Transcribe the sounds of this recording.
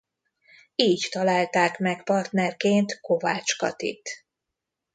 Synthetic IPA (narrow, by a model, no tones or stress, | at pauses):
iːct̪ɒlaːlt̪aːkmɛkpɒrt̪nɛrkeːnt̪ko̞vaːt͡ʃkɒ̰t̪ḭt̪